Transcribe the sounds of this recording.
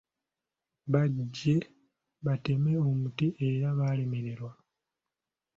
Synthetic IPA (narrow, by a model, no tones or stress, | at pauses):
βaɟːe̞ | βate̞me̞o̞mutiʔeɾaβaːle̞me̞ɾe̞ɾwa